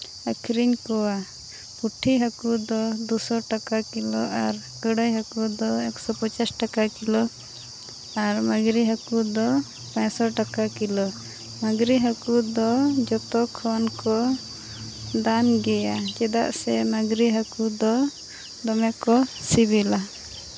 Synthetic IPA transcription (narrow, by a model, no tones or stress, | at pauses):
əkʰɾiɲkɔwa | puʈʰiɦakud̪ɔd̪usɔʈakakilɔʔaɾ | kəɽəjɦakud̪ɔɛksɔpɔt͡ʃasʈakakilɔ | aɾmaɡɾiɦakud̪ɔ | pãɲsɔʈakakilɔ | maɡɾiɦakud̪ɔd͡ʒɔt̪ɔkʰɔnkɔ | d̪anɡɛjad͡ʒɛd̪a̰ʔsɛmaɡɾiɦakud̪ɔ | d̪ɔmɛkɔsibila